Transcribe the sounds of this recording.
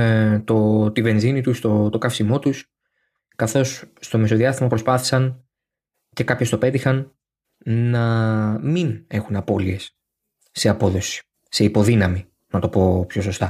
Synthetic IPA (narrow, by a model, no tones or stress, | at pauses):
t̪o̞t̪ive̞nzinit̪ust̪o̞t̪o̞kɐfsimo̞t̪us | kɐθo̞sːt̪o̞me̞so̞ðiɐst̪imɐpɾo̞spɐθi̥sɐn | ce̞kɐpço̞st̪o̞pe̞t̪ixɐn | nɐmine̞xunɐpo̞lie̞sː | e̞ɐpo̞ðo̞si̥ | se̞ipo̞ðinɐmi | nɐt̪o̞po̞pço̞so̞st̪ɐ